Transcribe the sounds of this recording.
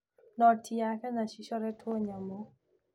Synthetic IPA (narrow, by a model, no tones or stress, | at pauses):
nɔtʰjakɛnaʃiʃɔɾɛtwɔɲamo